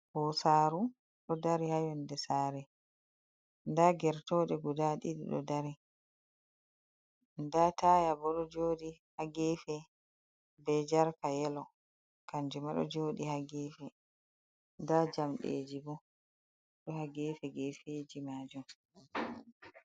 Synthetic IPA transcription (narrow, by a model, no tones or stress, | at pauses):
hɔsaːɾu | ɗɔdaɾihajɔndɛsaːɾɛ | ndaɡɛɾtɔːɗɛɡudaɗiɗiɗɔ̰daɾi | ndataːjabɔɗɔd͡ʒoːɗihaɡefɛ | bɛd͡ʒaɾkajɛlɔ | kand͡ʒumaɗɔ̰d͡ʒoːɗihaɡefɛ | ndad͡ʒamɗḛːd͡ʒibɔ | ɗɔhaɡefɛɡefeːd͡ʒimaːd͡ʒum